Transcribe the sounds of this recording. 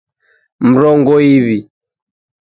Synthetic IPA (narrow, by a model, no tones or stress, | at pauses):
m̩ɾɔŋɡɔiβi